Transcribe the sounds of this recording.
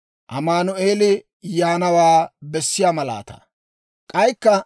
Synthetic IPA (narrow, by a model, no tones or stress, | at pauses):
ʔɐmaːnʊe̞ːlɪ | jaːnɐwaːbɛsːɪjaːmɐla̰ːt̪ɐ̰ | kʼɐjkːɐ